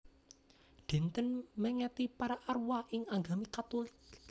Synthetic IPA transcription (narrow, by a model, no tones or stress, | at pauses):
ɖ̪̥ɛ̤nt̪ənmɛŋɛt̪ipaɾaʔarwaʔɪŋaŋɡamikat̪olɪk